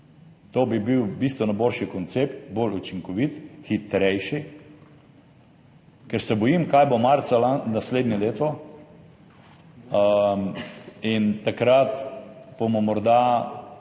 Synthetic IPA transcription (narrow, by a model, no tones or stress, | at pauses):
t̪obibiwbist̪ʋɔnajboːlʃikɔnt̪sept̪bolut͡ʃiŋkɔʋit̪xit̪ɾɛjʃi | kɛɾsɛbɔjimkajbomaɾt̪salanasleːd̪nʲjɛleːt̪ɔ | int̪akɾat̪b̥omɔmɔɾd̪a